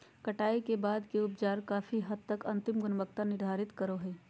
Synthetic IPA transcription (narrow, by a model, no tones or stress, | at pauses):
kəʈaːikebaːd̪kiʊpd͡ʒaːɾkaːfʰiɦɐd̪̚t̪əkɐ̃nt̪ɪmɡʊnməkt̪anɪɾd̪ʱaːɾɪt̪kəɾoɦɛː